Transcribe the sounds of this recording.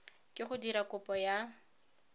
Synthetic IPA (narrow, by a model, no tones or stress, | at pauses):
kʼɪχʊdiɾakʊpʼɔja